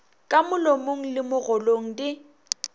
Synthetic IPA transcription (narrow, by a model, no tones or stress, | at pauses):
kʼamʊlomoŋ̩lɪmʊɣɔloŋ̩dɪ